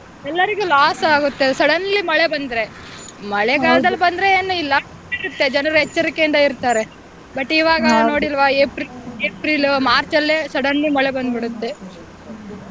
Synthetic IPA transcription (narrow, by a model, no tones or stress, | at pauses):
ɛlːɐɾiɡulaːsaːɡut̪ːesɐɽɐnɐlːimɐɭebɐnd̪ɾe̞ | mɐɭɛɡaːlɐd̪ɐlbɐnd̪ɾeeːnːuilːɐ | iɾut̪ːe̞d͡ʒɐnɐɾɐɦɛt͡ʃːɐɾikːeind̪ɐiɾt̪aːɾe̞ | bɐʈːiʋaːɡɐno̞ːɽilʋaeːpɾileːpɾilmaːɾt͡ʃɐlːesɐɽɐnːumɐɭebɐnd̪biɽut̪ːe̞